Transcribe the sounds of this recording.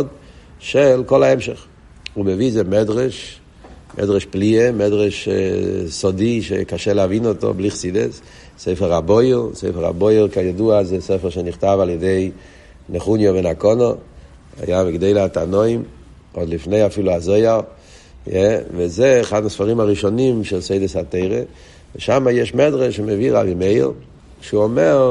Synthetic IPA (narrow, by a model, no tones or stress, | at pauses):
d | ʃɛlkɔlˠaɛmʃɛχ | ubeviːzemɛdʁɛʃ | mʔɛ̰dʁɛʃpliemɛdʁɛʃ | sɔdiʃḛkaʃɛlavinɔto̰bliχsidɛ̰s | seɪfəʁaboɪlˠseɪfəʁa̰bojlˠkajɔduazɛsɛfəʁʃɛnɪχtavalˠjɛdeɪ | nɛχunjɔvɛnakɔnɔ | a̰jamɪɡdeɪlatanoɪm | ɔdlifneɪafiluazoɪa | jɛvɛzɛːχadnasfaʁimaʁiʃɔnimʃɛlseɪdəsateɪʁe | vəʃamajɛʃmɛdʁeʃməviʁa̰bimeɪl | ʃuɔmɛʁ